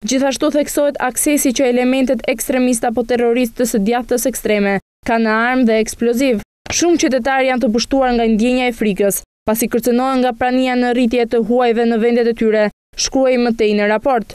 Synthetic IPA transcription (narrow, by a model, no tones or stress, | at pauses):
d͡ʑiθaʃt̪uθɛksɔɦɛt̪aksɛsit͡ɕəɛlɛmɛnt̪ɛt̪ɛkst̪ɾɛmis̬t̪ɛapɔt̪ɛrɔɾis̬t̪əsəd̪jaft̪əsɛkst̪ɾɛmɛ | kanəaɾmðɛːksplɔziv | ʃumt͡ɕət̪ɛt̪̬aɾjant̪̬əp̬uʃt̪uaɾŋɡand̪jɛɲaɛfɾikəs | pasikəɾt͡sənɔɦɛŋɡapɾanijanərit̪̬jɛt̪əɦuajvɛnəvɛnd̪ɛt̪ɛt̪yɾɛ | ʃkuajmət̪ɛjnəɾapɔɾt̪